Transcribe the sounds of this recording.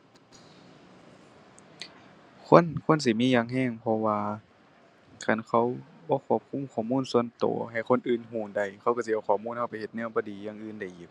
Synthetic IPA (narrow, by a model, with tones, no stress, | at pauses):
kʰo˧˥˨nkʰo˧˥˨ns̬i˧˦miː˧˥˨jaː˧ŋɦɛː˧˩˨ŋpʰɔ˧waː˧ | kʰa˧˩˨nkʰa˧˩˨wbɔː˧˦kʰu˧˩əp̚kʰu˧˥˨mkʰɔː˧˨˩muː˧˥˨nsu˧ə˨nt̪o̰ː˨˦ha˨˩jkʰo˧˥˨nʔɯː˨nɦuː˧˩nda˧˩jkʰa˧˩˨wka˧˩si˧ʔa˧wkxʰːmuː˧˥˨nha˧˨wpa˨˦jhe˧t̪̚nɯ˧˩əbɔː˧˦diː˨˦jaː˧˨ŋʔɯː˧˨nda˧˩jʔi˨˩˦p̚